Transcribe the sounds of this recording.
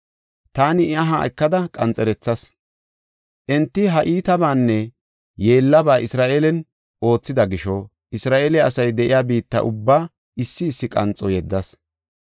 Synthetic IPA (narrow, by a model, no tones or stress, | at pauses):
t̪aːnɪɪaɦa̰ːʔɛ̰kːɐd̪ɐkʼɐnt͡sʼɛɾɛt͡sːɐs | ʔɛnt̪ːɪɦɐʔiːt̪ɐbaːnːɛ | je̞ːlːɐbaːʔɪsɾaːʔelɛn | ʔo̞ːt͡sːɪd̪ɐɡɪʃɔ | ɪsɾaːʔeːlɛɐsɐjd̪ɛʔɪjaːbiːt̪ːɐ̰ʔʊ̰bːaː | ɪsːɪːsːɪkʼɐ̰nt͡sʼɔjɛd̪ːɐs